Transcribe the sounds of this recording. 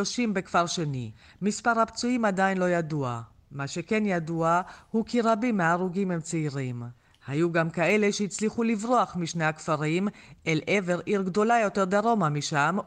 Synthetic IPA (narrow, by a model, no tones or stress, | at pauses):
oʃimbe̞kfaʁʃe̞ni | mispaʁhapt͡suimad̪ainlo̞jadua | maʃe̞ke̞njaduahukiʁabimeaʁuɡimhemt͡seiʁim | hajuɡamkae̞le̞ʃejit͡sliχulivʁoaχmiʃne̞akfaʁimʔelʔe̞ve̞ʁʔiʁɡd̪o̞lajo̞t̪e̞ʁd̪aʁo̞mamiʃam